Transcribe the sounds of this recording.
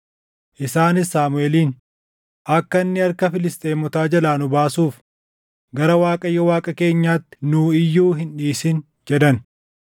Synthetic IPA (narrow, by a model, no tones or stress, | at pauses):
ʔɪsaːnɪsːaːmʊeːliːn | ʔɐkːɐnːɪɐɾkɐfɪlɪst̪ʼeːmɔt̪aːd͡ʒɐlaːnʊbaːsuːf | ɡɐɾɐwaːkʼɐjːɔwaːkʼɐke̞ːɲːaːt̪ːɪ̥nuːɪjːuːɦɪnᶑiːsɪn | d͡ʒɛd̪ɐn